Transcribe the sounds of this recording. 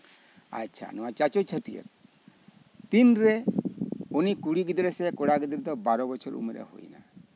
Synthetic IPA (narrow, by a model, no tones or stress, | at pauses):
a̰tːt͡ʃʰa̰nɔwat͡ʃat͡ʃot͡ʃʰəʈijə̰t̪̚ | t̪inɾɛ | onikuɽiɡid̪ɾɛsɛkɔɽaɡid̪ɾɛd̪ɔbaɾɔbɔt͡ʃʰɔɾṵmeɾɛ̰ho̰jna̰